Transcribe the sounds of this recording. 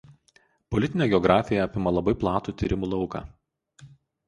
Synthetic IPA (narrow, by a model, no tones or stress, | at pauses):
pɔlʲɪt̪ʲɪnʲeːɡʲɛɔɡɾɑːfʲɪjɛɐpʲɪmɐlˠɐbɐɪplˠɑːt̪uːt̪ʲḭɾʲɪmuːlˠɐʊkɑ̰ː